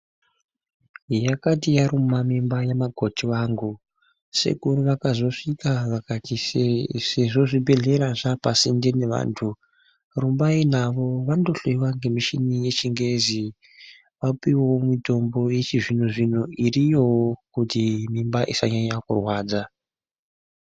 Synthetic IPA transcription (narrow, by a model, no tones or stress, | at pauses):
jakatijaɾumamimbajemaɡʱotʰiwaːŋɡu | se̞̰kuriʋakazo̞ʂikaʋakatiseʐo̞ʐibe̞ɮe̞ɾaʐapasindene̞ʋa̰ːntʰu | rumbainaʋo̞ʋando̞ɬoiwaŋɡe̞miʃinije̞t͡ʃiŋɡe̞zi | ʋapiwomito̞mbo̞jet͡ʃiʐin̤uʐin̤uirijokutimimbaʔisaɲaɲakṵrwaːd͡za